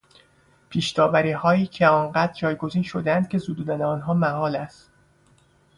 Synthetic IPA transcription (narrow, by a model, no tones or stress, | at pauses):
pʰiːʃd̪ɒːvæɾiːhɒːiːcʰe̞ɒːnɢæːd̪ɾd͡ʒɒːjɡo̞ziːnʃod̪eænd̪̥̚cʲʰe̞zud̪uːd̪æneɒːnɦɒːmæɦɒːlæst̪